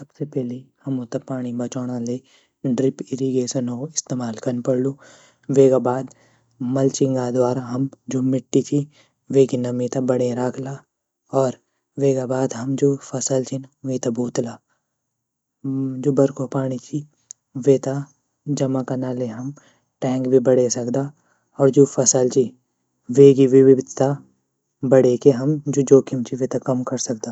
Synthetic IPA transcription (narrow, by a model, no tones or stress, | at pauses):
sɐbsepɛːlehɐmot̪apaːɽ̃ibɐt͡ʃaːɽ̃ale | ɖɾɪpɪɾiɡeːʃənoɪst̪eːmaːlkɐnpɐɾluː | ʋeːɡabaːd̪ | mɐlt͡ʃɪŋɡad̪waːɾaɦɐmd͡ʒoːmɪʈːit͡ʃʰi | ʋeːkinɐmĩt̪abɐɽeɾaːkʰlaː | ɔːɾ | ʋeːɡabaːd̪ɦɐmd͡ʒoːfʰɐsəlt͡ʃʰinʋet̪abuːt̪laː | d͡ʒoːbɐɾkʰopaːɽ̃it͡ʃʰi | ʋeːt̪a | d͡ʒɐmakanaːleɦɐm | ʈɛ̃ːŋkbʱibɐɽesɐkd̪a | ɔːɾd͡ʒoːfʰɐsəlt͡ʃi | ʋeːɡiʋɪwɪbd̪ʱt̪a | bɐɽekeɦɐmd͡ʒod͡ʒoːkʰɪmt͡ʃʰiʋeːt̪akɐmkɐɾsɐkd̪aː